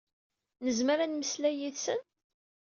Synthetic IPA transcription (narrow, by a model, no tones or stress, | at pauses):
nəzməɾænməslæjiθsən